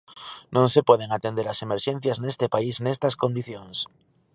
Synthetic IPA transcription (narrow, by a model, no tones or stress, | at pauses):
nõŋsepweðeŋat̪end̪eɾasemeɾʃen̟θjaznest̪epaisnest̪askond̪iθjõŋs